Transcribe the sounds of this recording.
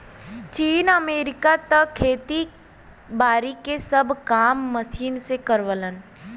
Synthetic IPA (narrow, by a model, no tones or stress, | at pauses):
t͡ʃiːnəmeːɾɪkat̪əkʰːeːt̪i | baːɾikesəbʱkaːmːəsiːnsekəɾʋələn